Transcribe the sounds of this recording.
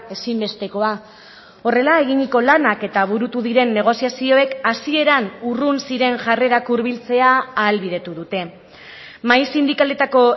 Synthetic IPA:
e̞simbe̞st̪e̞ko̞a | o̞re̞lae̞ɣiɲiko̞lanake̞t̪aβ̞uɾut̪uðiɾe̞nːe̞ɣ̞o̞siasio̞e̞kasie̞ɾanurunsiɾe̞ŋʝare̞ɾakuɾβilt͡se̞aːlβið̞e̞t̪uðut̪e̞ | majsind̪ikale̞t̪ako̞

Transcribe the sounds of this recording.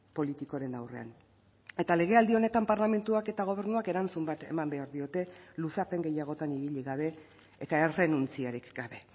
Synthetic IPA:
po̞lit̪ikoɾe̞nawre̞̰a̰n | e̞t̪ale̞ɣ̞e̞ald̪io̞ne̞t̪ampaɾlame̞nt̪uake̞t̪aɣ̞o̞β̞e̞ɾnuake̞ɾant͡sumbat̪e̞̰mambe̞aɾðio̞t̪e̞lusape̞ŋɡe̞jaɣ̞o̞t̪aniβiʎiɣaβ̞e̞ː | t̪aere̞nunt͡siaɾikɡ̥aβe̞

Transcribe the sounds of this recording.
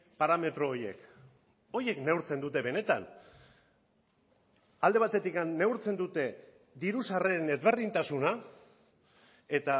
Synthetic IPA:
paɾame̞t̪ɾo̞ːje̞̰k | o̞je̞knewɾt͡se̞nd̪ut̪e̞βe̞ne̞t̪a̰n | ald̪e̞β̞at̪e̞t̪ikanːe̞uɾt͡se̞nd̪ut̪e̞ | d̪iɾusareɾene̞zβe̞ɾðint̪asuna | e̞t̪a

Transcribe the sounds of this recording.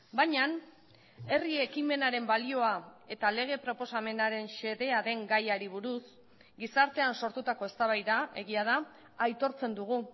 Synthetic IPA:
bajɲan | e̞rie̞kime̞naɾe̞mbalio̞ae̞t̪ale̞ɣ̞e̞pɾo̞po̞same̞naɾe̞nse̞ðe̞aðe̞ŋɡajaɾiβ̞uɾus | ɡisaɾt̪e̞anso̞ɾt̪ut̪ako̞e̞st̪aβajðae̞ɣ̞iað̞aː | jt̪o̞ɾt͡se̞nd̪uɣ̞u

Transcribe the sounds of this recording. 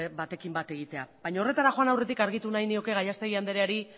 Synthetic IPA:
bat̪e̞kimbat̪e̞ɣ̞it̪e̞abajɲao̞re̞t̪aɾaxo̞anawre̞t̪̬ikaɾɣ̞it̪unajnio̞ke̞ɣajast̪eɣiand̪eɾeaɾi

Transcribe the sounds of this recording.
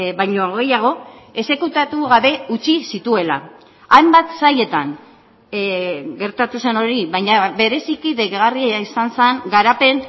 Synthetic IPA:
βajɲo̞ɣ̞e̞jaɣ̞o̞e̞se̞kut̪at̪uɣaβe̞ut͡ʃisit̪ue̞la̰ | ajmbat̪saje̞t̪aŋ | ɡe̞ɾt̪at̪use̞no̞ɾiβajɲaβe̞ɾe̞sikiðeɣɣariaaisanseŋɡaɾape̞ŋ

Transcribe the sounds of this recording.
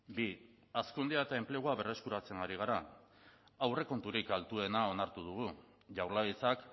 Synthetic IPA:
bi | askund̪iaet̪ae̞mple̞ɣ̞uaβe̞re̞skuɾat͡se̞ŋɡaɾiɣ̞aɾa | awre̞ko̞nt̪uɾikalt̪ue̞nao̞naɾt̪uð̞uɣ̞u | ʝawɾlait͡sak

